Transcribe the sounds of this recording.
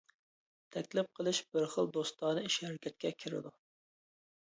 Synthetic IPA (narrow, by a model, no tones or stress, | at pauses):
t̪ʰɛkʲlɪp̚qʰəlˠɨʃbɪɾχə̰lˠd̪ost̪ɑːnɨiʃhɛɾɪkʲʰɛt̪̚kʲɛkʲʰiɾɪ̰d̪u